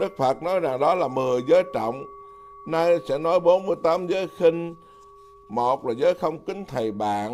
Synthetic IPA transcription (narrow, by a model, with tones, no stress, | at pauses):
ɗɨ˦˥k̚fə˨˩t̚nɔ˨˦jza˨˩ŋɗɔ˨˦laː˨˩mɨ˨˩əjzəː˨˦jt͡ɕɔ̰˧˨wŋ͡m | na˧jsɛ̰˧˥nɔ˨˦jɓo˨˦nmɨ˧əjt̪aː˨˦mzəː˨˦jxï˧ŋ̟ | mo˨˩t̚laː˨˩zəː˨˦jxə˧wŋ͡mkï˨˦ŋ̟t̪ʰə˨˩jɓa̰ː˧˨n